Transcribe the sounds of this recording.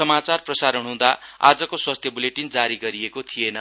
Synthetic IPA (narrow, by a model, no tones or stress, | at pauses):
ʌmat͡sarprʌsaɾʌnɦũd̪aa̰d͡zʌkoswast̪ʰjʌbuleʈind͡zaɾiɡʌɾiekot̪ʰijenʌ